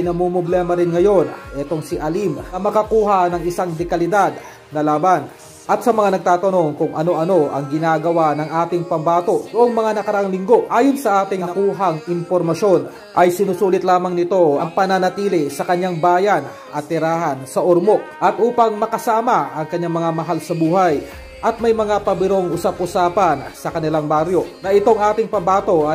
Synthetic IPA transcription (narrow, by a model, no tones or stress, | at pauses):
ɐjnɐmomɾoblɛmɐɾɪnŋɐjo̞nʔɛt̪o̞ŋsɪʔɐlimɐmɐkɐkuːɦɐnɐŋɪsaŋd̪ɛkɐlɪd̪ad̪̚ | nɐlaːbɐn | ʔɐt̪sɐmɐŋanɐɡ̚t̪aːt̪ɐno̞ŋkʊŋʔɐno̞ʔɐno̞ʔɐŋɡɪnaːɡɐwanɐŋʔaːt̪ɪŋpɐmbaːt̪o̞ʔnoʔo̞ŋmɐŋanɐkɐɾɐʔaŋlɪŋɡo̞ʔaːjonsɐʔaːt̪ɪŋɐɐkuːɦɐŋɪnpoɾmɐʃo̞n | ʔɐjsɪnusuːlɪt̪laːmɐŋnɪt̪o̞ʔɐŋpɐnɐnɐt̪iːlɪsɐkɐɲːaŋbaːjɐn | ʔɐt̪ːɪɾaːɦɐnsɐʔoɾmo̞ʔʔɐt̪ʔuːpɐŋmɐkɐsaːmɐɐŋkɐɲːaŋmɐŋamɐɦalsɐbuːhɐj | ʔɐt̪̚mɐjmɐŋapɐbɪɾo̞ŋʔʊsap̚ʊsaːpɐnsɐkɐnɪlaŋbaɾjo̞nɐʔɪt̪o̞ŋʔaːt̪ɪŋpɐbaːt̪o̞ʔɐ